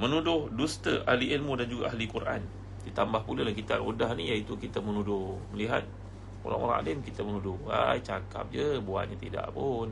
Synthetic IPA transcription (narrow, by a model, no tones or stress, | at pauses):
mənudʊhdust̪əʔahliʔelmudand͡ʒuɡaahlikurʔa̰n | dit̪ambahpulalaŋkit̪a̰rodaɦnijait̪ukit̪əmənudʊhməliɦa̰t̪̚ | o̰ɾa̰ŋo̰ɾa̰ŋa̰lɪmkit̪əmənudʊha̰jt͡ʃaka̰p̚d͡ʒəbua̰ʔ̚ɲat̪ida̰ʔpʊn